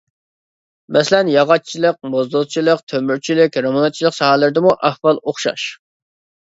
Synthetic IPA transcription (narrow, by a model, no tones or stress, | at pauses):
mɛslɛnjɑʁɑt͡ʃʰilˠəq̚mozd̪oʁt͡ʃʰilˠəqt̪ʰømyɾt͡ʃʰilɪkʲɾɑmonɑt̪̚t͡ʃʰilˠəqsɑhɑlˠɨɾɪd̪əmuʔɑhwɑlˠoχʃɑ̰ʃ